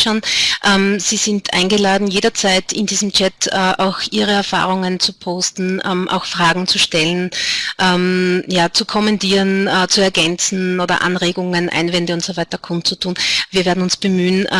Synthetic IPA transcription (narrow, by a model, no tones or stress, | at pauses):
ʃoːnʔɛmz̥iːzɪntʰʔa̰ɪnɡəlaːdn̩jeːɾɐt͡saɪtɪndiːzəm̩t͡ʃɛtʰɛːʔaʊxʔiːʁəɛɐfa̰ːʁʊŋənt͡supʰoːstn̩ʔɛmʔa̰ʊxfʁ̥aːɡŋ̩t͡suʃtɛlənʔɛmjaːt͡sukʰɔmɛntiːʁənːt͡suɛɐɡɛnt͡sn̩oːdɐ̰ʔa̰nʁeːɡʊŋənʔã̰ɪnvɛndəʊntsovaɪtɐkʰʊnt͡sutʰuːnviːɐveːɐn̩ʊnsb̥əmyːn